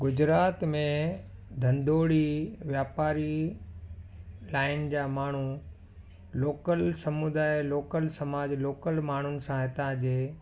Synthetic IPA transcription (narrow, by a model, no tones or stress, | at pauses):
ɡʊd͡ʑɾaːt̪mẽd̪ʱɐ̃nd̪oːɽiʋjaːpaːɾi | laːɪnd͡ʑaːmaːɳ̤u | loːkəlsɐmud̪aːɪloːkəlsɐmaːd͡ʑloːkəlmaːɳ̤ʊnɪ̆sãɦet̪ɐãd͡ʑeː